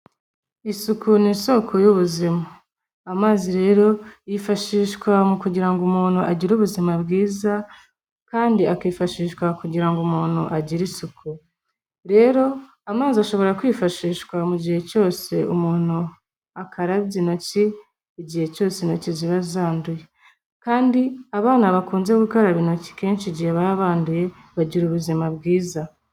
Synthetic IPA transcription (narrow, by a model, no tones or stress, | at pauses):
isukuniso̞kʰo̞juβuzimaː | maːziɾe̞ːɾo̞jifaʃiːʃkwamukuɟiɾaŋɡumuːnhuʔaɟiɾuβuzimabɡiːza | kaːndiakiːfaʃiːʃkwakuɟiɾaŋɡumuːn̥huʔaɟiɾisukʰu | ɾe̞ːɾo̞ | amaːziaʃo̞βo̞ɾakwiːfaʃiːʃkwamuɟihe̞co̞ːse̞umuːn̥hu | akʰaɾaβɟino̞ci | iɟihe̞co̞ːsenociziβazaːnduje̞ | kaːndiaβaːnaβakuːnze̞ɡukoɾaβino̞ci̥keːnʃiɟiheβaaβaːnduje̞ | βaɟiɾuβuzimabɡiːza